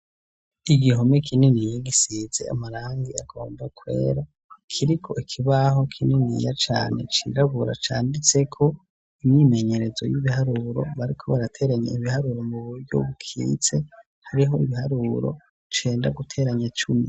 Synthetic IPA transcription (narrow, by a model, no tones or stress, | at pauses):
iɡiɦomekʰininijaɡisiːze̞̰a̰maɾaːŋɡiaɡo̞ːmbakwe̞̰ːɾa | kʰiɾikʰo̞ikʰiβaho̞kʰininḭjat͡ʃa̰ːne̞̰t͡ʃḭɾaβuɾa̰t͡ʃaːndit͡se̞kʰo̞ | imɲime̞ɲe̞ɾe̞zo̞̰jiβihaɾuɾo̞̰βaɾikʰo̞βaɾatʰe̞ɾaɲḛiβihaɾuɾo̞muβuɾɟo̰βukʰḭːt͡se̞ | haɾiɦo̞iβihaɾuɾo̞̰ | t͡ʃe̞ːndaɡutʰe̞ːɾaɲat͡ʃumi